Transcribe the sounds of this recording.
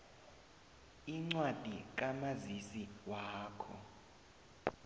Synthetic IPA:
iŋ͡ǀwad̥ʱik̬ʼamazisiwaːkʰɔ̰

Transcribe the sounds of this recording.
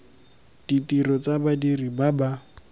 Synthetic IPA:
d̥itiɾɔt͡sabadiribaba

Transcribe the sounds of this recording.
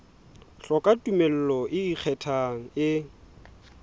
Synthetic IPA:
ɬɔkʼatʼumel̩lɔʔɪik͡xʰɛtʰaŋ̩ɪ

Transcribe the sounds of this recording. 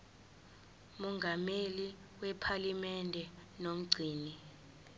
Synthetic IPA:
mɔŋɡameli | wɛpʰalimɛndʱɛnom̩ɡ͡ǀʱiːni

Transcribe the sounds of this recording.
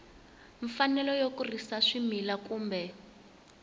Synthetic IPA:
ɱfanɛlɔjokurisaʂimilakuːmbɛ

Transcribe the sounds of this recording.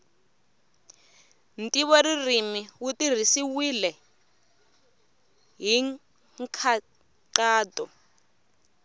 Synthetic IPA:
ntʼiβɔririmiwutir̤isiwilɛ | ɦiŋ | kʰa | ǀaːdɔ

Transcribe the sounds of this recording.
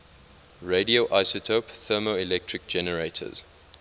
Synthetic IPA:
ɹedioʔaɪsotʰopθɜːmoilɛk̚tʰɹɪk̚d͡ʒɛnəɹeɪtʰə̰z̥

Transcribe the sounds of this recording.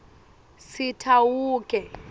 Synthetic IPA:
sitʰawuːkʼɛ

